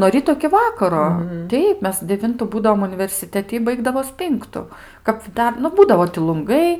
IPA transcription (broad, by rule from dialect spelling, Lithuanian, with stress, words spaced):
nuɔ ˈrʲiːtoː ɪkʲɪ ˈʋɑːkɐroː ˈtʲɛɪp ˈmʲɛs dʲɛˈʋʲɪntʊ ˈbuːdɐʋoːm ʊnʲɪʋʲɛrʲsʲɪˈtʲæːtʲɪ ɪ ˈbɐɪɡdɐʋoːs ˈpʲɪŋktʊ kɐp ˈdɐr nʊ ˈbuːdɐʋoː tʲɪ lˠʊŋˈɡɐɪ